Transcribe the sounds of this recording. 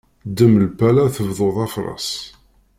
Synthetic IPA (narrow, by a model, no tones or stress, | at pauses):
d̪əmlpælæθəvðˤoðˤɑfɾˤɑ̰s